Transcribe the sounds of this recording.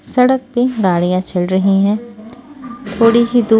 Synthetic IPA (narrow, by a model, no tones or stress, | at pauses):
sɐɽək̚pẽɡaːɽijãt͡ʃɐlɾɐɦiɦɛ̃ː | t̪ʰoːɽiɦid̪uː